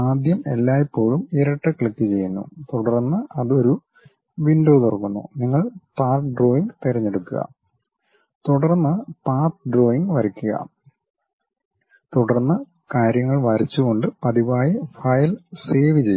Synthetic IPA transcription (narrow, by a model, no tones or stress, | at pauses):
aːd̪ʱjɐmelːaːjipːo̞ːɻumiɾɐʈːɐkɭikːɨt͡ɕe̞jːunːṵt̪uɽɐrnːɨɐðo̞ɾu | ʋinɖoːt̪orɐkːunːṵniŋːɐɭpaːrʈɖro̞ːjiŋɡt̪iɾɐɲːe̞ɽukːuɣɐ̰ | t̪uɽɐrnːɨpaːrt̪ɖro̞ːjiŋɡʋɐɾikʲːuɣɐ̰ | t̪uɽɐrnːɐ | kaːɾjɐŋːɐɭʋɐɾit͡ɕːuɣo̞ɳɖɨpɐðiʋaːjifɐjlseːʋit͡ɕej